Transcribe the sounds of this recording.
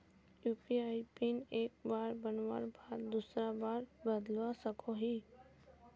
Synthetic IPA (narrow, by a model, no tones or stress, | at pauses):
juːpiaipineːk̚baːɾbənʋa̰ɾbʱaːɾd̪usɾabaːɾbəd̪ʋasəkoɦiː